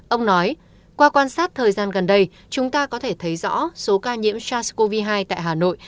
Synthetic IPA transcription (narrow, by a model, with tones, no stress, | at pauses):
ʔə˧wŋ͡mnɔ˨˦j | kwaː˧kwaː˧nsaː˦˥t̚t̪ʰəː˨˩jzaː˧nɣə˨˩nɗə˧j | t͡ɕʊ˨˦ŋ͡mt̪aː˧kɔ˨˦t̪ʰe˧˩t̪ʰə˨˦jzɔ̰˧˥so˨˦kaː˧ɲḭ˧˥əmt͡ɕaː˧sko˧vi˧ɦaː˧jt̪a̰ː˧˨jɦaː˨˩no̰˧˨j